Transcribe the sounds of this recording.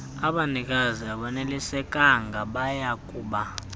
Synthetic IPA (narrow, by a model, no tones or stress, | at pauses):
aɓanik̬ʼaziaɓanelisɛkʼaŋɡʱaɓajakʼuːɓa